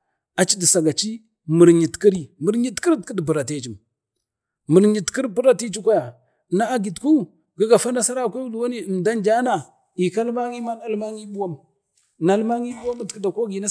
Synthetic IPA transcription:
a˨t͡ʃi˦di˨sa˨ɡa˨t͡ʃi˦ | mə˨ɾɲi˨tki˦ɾi˦mə˨ɾɲi˦tki˦ɾtki˦dpu˨ɾa˨te˦t͡ʃi˨m | mə˨ɾɲi˨tki˦ɾpu˦ɾa˨ti˦t͡ʃi˦kʷa˦ja˨ | na˦a˦ɡi˨tku˦ | ɡi˦ɡa˨fa˦na˦sa˦ɾa˦˨kʷa˦u˦lu˨wa˦ni˦ə˨mda˦nd͡ʒa˦na˨ | i˨ka˦lma˦ŋi˦ma˦na˦˨lma˦ŋi˦bu˦wa˦m | na˨˦lma˦ŋi˦ɓu˦wa˦m˨tki˦da˨ko˦ɡi˨na˦

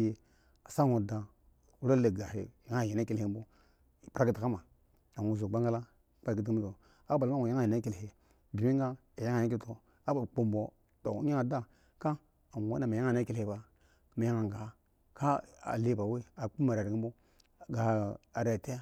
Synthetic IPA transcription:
je˦ | a˨sa˦ŋo˨da˨ | u˦ɾa˦le˨ɡa˨e˨ja˦ŋa˦˨ji˨na˦ki˦le˦bo˦˨ | pɾa˦ki˦ta˨ka˦ma˨ | a˨ŋo˨zo˨ba˦ŋɡa˦la˦ | k͡pa˦˨ki˦ti˦i˦a˨ | a˦ba˨lma˦ŋo˨ja˦ŋa˦˨ji˨na˦ki˦lhe˨ | bi˨mi˦ŋɡa˦ | a˨ja˦ŋa˨ja˦ki˦to˨ | a˦ba˨k͡po˨mbo˨ | to̰˨˦a˦ŋa˨da˦ | ka˦ | a˨wa˦na˨ma˨ja˦ŋa˨na˦ki˦lhe˨ba˨ | ma˨ja˦ŋa˨ŋɡa˨ | ka˦a̰˨le˦ba˨we˦a˨k͡pu˦ma˨ɾa˨ɾi˦mbo˦˨ | ɡa˨a˨ɾe˨a˨te˦

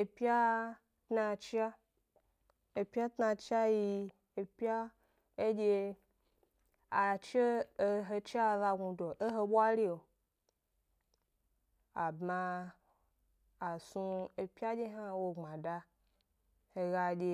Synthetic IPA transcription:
e˨pi˦a˦ | tna˧t͡ʃi˦a˦ | e˨pʲa˦tna˧t͡ʃa˦ji˧ | e˨pʲi˦a˦ | e˦d͡ʒe˧ | a˨t͡ʃe˦e˦ɦe˧t͡ʃi˦a˦ða˧ɡu˧do˨ʔe˦ɦe˧ɓwa˦li˦o˨ | a˨bmã˧˨ | su˧e˨pʲa˦d͡ʒe˦ɦa˦wo˧ŋ͡mã˨da˧ | he˧ɡa˧d͡ʒʲe˧

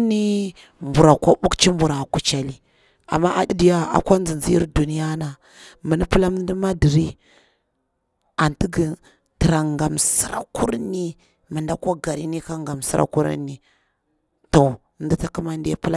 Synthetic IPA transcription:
ni˦ | mbu˨ɾa˨kʷa˦ɓu˦kt͡ʃi˦mbu˨ɾa˨ku˨t͡ʃa˨li˨ | a̰˨mːa˦ʔa˨di˦di˨ja˦a̰˨kʷa˦nzi˨nzi˦ḭ˦ɾdu˨ni˦ja˦na˨ | mə˨ni˦pə˦la˦m˦n˦di˦ma˦di˨ɾi˦ | a˨nti˦ɡi˨ | tə˨ɾa˨ŋɡa˨msə˨ɾa̰˨ku˦ɾni˦ | mə˨nda˦ka˦ɡa˨ɾi˦ni˦ka˦ŋɡa˨m˨si˦ɾa̰˦ku˦ɾa̰˦nːi˨ | to˨ | n˦di˦ta˦ku˦ma˦n˦da˦pə˦la˦

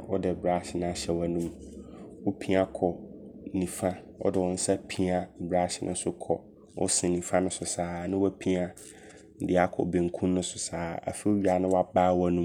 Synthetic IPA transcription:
wɔ˦dɛ˨bɾa˨˦˨ɕɪ˨nʊ̃˨˦a˨˦ɕɛ˨wa˨nũ˦m | wɔ˦pʰĩ˦a˦kʰɔ˨nĩ˨fã˦ | wɔ̰˦dɪ˨wɔ̃˨˦n̩˦sa˦pʰĩ˦a˨bɾa˦ɕɪ˨˦nʔʊ̃˦n˦sʊ˦kʰɔ˨ | wɔ̰˦sɪ̃˨nĩ˨fã˦nʊ̃˦sʊ˨saː˨nɪ̃˦wæ˦pʰĩ˦a˦ | n̩˨dɪ˦a˦kʰɔ̰˨be˨ŋ̩˨kʰũ˦nnʊ̃˦sʊ˨saː˨a̰˨fi˦ɥi˦a˨nʊ̃˦wa˦baː˦wa˦nũ˦m

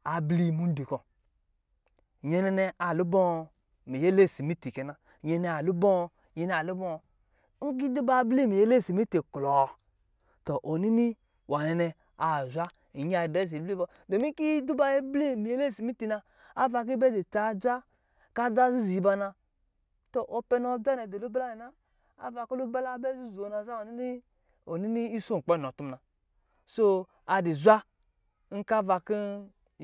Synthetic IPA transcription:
a˨bli˦˨mu˨˦n˦di˨ko˨ | ɲɛ˨nɛ˧nɛ˧a˨lu˦bɔ˦˨ | mi˨je˦le˦˨si˨mi˦ti˨kɛ˨na˨ɲɛ˧ne˧˨a˨lu˦bɔ˦˧ | ɲɛ˧nɛ˧˨a˨lu˦bɔ˦˨˦ | ŋ̩˦k̬i˦du˦ba˦bli˦mi˨je˦le˦˨si˨mi˦ti˨klɔ˨ | to˨ʔo˨ni˦ni˦ | wa˨nɛ˨nɛ˧ | a˨zʷa˦ | i˨ɲ˦a˨be˦˨zi˨˦bi˦b | do˨mi˦ki˦du˦ba˦je˦bli˦mi˨je˦le˦˨si˨mi˦ti˨na˧ | a˦va˧k̬i˦bɛ˦de˨t͡ʃa˨˦d͡ʒa˦ | ka˦da˦zi˦zi˨i˨ba˧na˧ | to˨ʔo˨pɛ˧nɔ˨d͡ʒa˦nɛ˨do˨lu˦ba˦la˦ɛ˨na˦ | a̰˦va˧ko˦lu˦bɛ˦la˦bɛ˦zu˦zo˨na˨za˦wa˨i˦ni˦ | o˨ni˦ni˦i˦so˦˨ŋ̩˨k͡pn˨ɔ˨tu˦mna˨ | so˦ | a˨di˨zʷa˦ | ŋ̩˦ka˦va˧ki˦

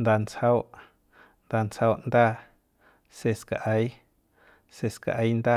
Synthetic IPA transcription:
nd̪a˧nt͡shə˧wʔ | nd̪a˧nt͡shə˧wʔnd̪aː˦˧˨ | se˧ska˨ʔə˧˦j | se˧ska̰˧ʔə˧˦jnd̪aː˦˧˨

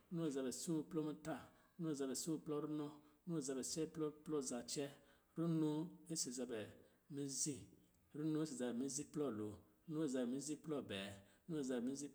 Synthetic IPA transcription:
nũ˦e˨za˨bɛ˨sũ˦˧plɔ˦mĩ˦ta˦˨ | ɾu˦nũ˦e˨za˨bɛ˨sũ˦˧˨plɔ˦ɾu˦nɔ̃˦nu˦e˨za˨bɛ˨t͡ʃɛ˦plɔ˦plɔ˦za˨t͡ʃɛ˦ | ɾu˦nũ˦e˦se˨za˨bɛ˨ | mĩ˦zi˦ | ɾu˦nũ˦e˦se˨za˨bɛ˨mĩ˦zi˦plɔ˦˨lo˨ | ɾnũ˦e˦˨za˨bɛ˨mĩ˦zi˦plɔ˦˨bɛ˨˦ | nũ˦e˨za˨bɛ˨mĩ˦zi˦

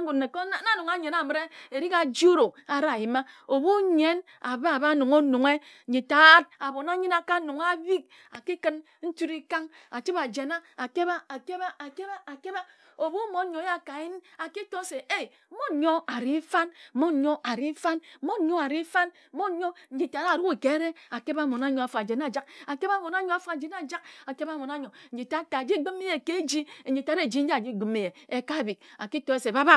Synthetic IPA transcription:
ɡu˨ne˨ko˦na˦nu˨ŋa˦ɲe˨na˨mɨ˨ɾe˦e˨ɾi˦ka˨d͡ʒu˦ɾo˨a˨ɾa˦˨ji˨ma˦o˨bu˦ɲe˦n | a˨ba˦˨ba˦nu˨ŋo˦nu˨ŋe˦ɲi˨ta˨˦t̚a˨bo˨na˦ɲi˦na˨ka˦nu˨ŋ˦a˦bi˦k̚ | a˨ki˦kɨ˦n | n̩˦tu˦ɾi˦ka˦ŋ | a˨t͡ʃi˦ba˨d͡ʒe˨na˦a˨ke˦ba˦a˨ke˦ba˦a˨ke˦ba˦a˨ke˦ba˦ | o˨bu˦mo˨˦ɲo˨˦ja˦ka˨ji˦n˦a˨ki˦to˦se˨e˦˨˦mo˦˨ɲo˦a˨ɾi˦fa˦n˦mo˦˨ɲo˦ʔa˨ɾi˦fa˦n˦mo˦ɲo˦a˨ɾi˦fa˦n̩˦mo˦ɲo˦n̩˨d͡ʒi˨ta˨ɾa˦˨ɾu˦i˨ke˨˦ɾe˦a˨ke˦ba˦˨mo˨na˦ɲo˨˦a˨fa˨d͡ʒe˨na˦˨d͡ʒa˦ka˨ke˦ba˦mo˨na˦ɲo˦a˨fu˦a˨d͡ʒe˨n˦a˦˨d͡ʒa˦k̚a˨ke˦ba˦˨mo˨na˦ɲo˨n̩˨˦d͡ʒi˨ta˦ta˨d͡ʒi˦ɡ͡bi˦me˦je˨ke˦d͡ʒi˦e˨i˨ta˨˦ɾe˦˨d͡ʒi˦n̩˦d͡ʒa˨d͡ʒi˦˨ɡ͡bi˨me˨je˨e˨ka˦˨bi˨k̚a̰˨ki˦to˦e˦se˨ba˦ba˦

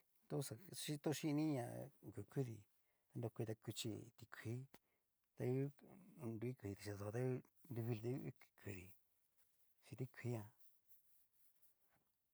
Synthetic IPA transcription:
t̪o˦sa˧ʃi˦˧t̪o˦˧ʃi˦˧nĩ˦˧ɲã̰˧ku˨ku˦ðḭ˧ | t̪a˧ndo˧kʷi˧t̪a˧ku˧t͡ʃḭ˧t̪i˧kʰi˦ | t̪a˧ju˦ndu˧i˦ku˧ði˧t̪i˧ʃi˧a˧st̪a˦ju˧˦ndu˧βi˧t̪u˧˦kkʰu˧ði˧ | t͡ʃi˧t̪i˦kʰʷi˦ɲã˧

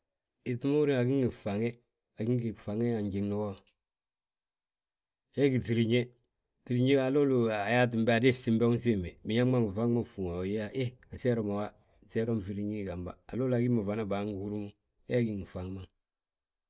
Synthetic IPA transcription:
i˨ti˦mo˦u˦ɾi˦ŋa˨ɡi˦ŋɡi˨fa˨ŋɛ˦ | a˨ɡi˦ŋi˨fa˨ŋe˦a˨ɲɟi˨ŋno˦ɔ˦ | jɛ˦ɡi˨ti˨ɾi˨ɲe˦ | ti˨ɾi˦ɲe˦a˨lo˦lu˨a˨ja˦t̬i˨m˦ba˨de˦si˦mbɛ˦ɔ˦n˦s̬i˦mɛ˨mi˨ɲa˦ma˦ŋi˨fa˦ŋ˦ma˦˨fu˨ŋa˨jja˦ʔe˦a˨sɛ˦ɾɔ˨ma˨wa˦˨ | sɛ˦ɾɔ˦m˨fi˨ɾi˦ɲi˦˨ɡa˨mba̰˨a̰˨lo˦la˨ɡi˦ma˨va˨na˦ba˨˦ŋ˨hu˦ɾu˦mu˦ | ɛ˦a˦ɡi˦ŋ˨fa˨ŋ˦ma˦ŋ

